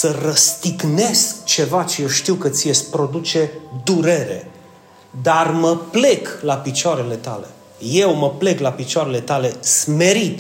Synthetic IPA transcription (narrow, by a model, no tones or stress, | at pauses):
sərəst̪iɡne̞skt͡ʃe̞vat͡ʃejewʃt̪iwkət̪sijespɾo̞d̪ut͡ʃe̞d̪uɾe̞ɾe̞̰ | d̪arməple̞klapit͡ʃoaɾe̞le̞t̪a̰le̞̰ | je̞wməple̞klapit͡ʃoaɾe̞le̞t̪ale̞sme̞ɾit̪